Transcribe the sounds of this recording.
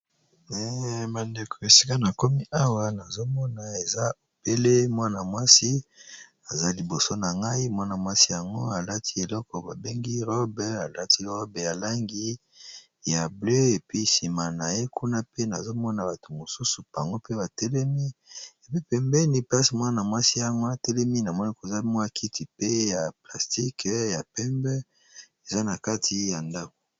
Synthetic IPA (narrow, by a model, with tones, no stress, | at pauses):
ɛ˨ma˨nde˨kʰo˨e˨si̥˦ka˦na˨ko˦mi˦ʔa˦wa˨na˨zo˦mɔ˦na˨e˨za˦o˨pe˦le˦mwa˦na˨mwa˦si˦ | a˨za˦li˨bo˨so˦na˨ŋɡa˦i˦mwa˦na˨mwa˦si˦ja˨ŋɡo˦a˨la˦tʰi̥˦e˨lɔ˦kɔ˨ba˨be˦ŋɡi˦ʁɔ˦bɛ˨˦a˨la˦ti˦ʁɔ˦bja˨la˦ŋɡi˦ | ja˨blø˦e˨pi˦si˨ma˨na˨je˦kʰu˦na˦pe˦na˨zo˦mɔ˦na˨ba˨tʰo˨mo˨su˦su˨pa˨ŋɡo˦pe˦ba˨tɛ˦lɛ˦mi˦e˨pi˦pɛ˨mbɛ˦ni˨pa˦si˨mwa˦na˨mwa˦si˦ja˨ŋɡo˦a˨tɛ˦lɛ˦mi˦na˨mɔ˦ni˦ko˨za˦mɔ˦a˨kʰi˦tʰi˨pe˦ja˨pla˨sti˦kʰja˨pɛ˦mbɛ˦ | e˨za˦na˨ka˦tʰi˨ja˨nda˦ko̥˨